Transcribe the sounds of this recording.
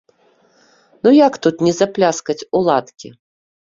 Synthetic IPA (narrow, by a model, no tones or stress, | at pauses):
nujakt̪ut̪nʲɛzaplʲaskɐt͡sʲulˠat̪kʲḭ